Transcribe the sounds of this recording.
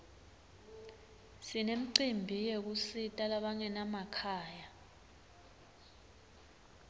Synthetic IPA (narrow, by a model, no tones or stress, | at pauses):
sinem̩ǀimbʱijek̬usitʼalaɓaŋɛnamakʰaːja